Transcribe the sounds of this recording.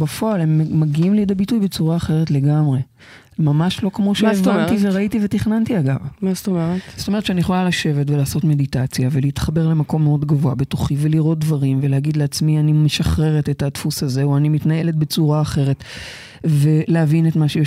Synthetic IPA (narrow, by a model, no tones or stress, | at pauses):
bafo̞alemːaɡiimliid̪abitujbet͡suʁaːχe̞ʁetle̞ɡamʁe | mamaʃlo̞kmo̞ʃeavant̪iveʁait̪ivetiχnant̪iaɡa̰vmast̪omeʁet̪zotomett͡ʃeanijeχolalaʃe̞vetvelaːso̞tme̞ditat͡sjaveleit̪χabe̞ʁle̞mako̞mːeo̞dɡavoabe̞to̞χiveliʁo̞t̚dvaʁimve̞lehaɡid̪leat͡smianimeʃaχʁe̞ʁetetatfusaze̞uanimitnae̞le̞t̚bet͡suʁaːχe̞ʁe̞t | ve̞leavinetmaʃej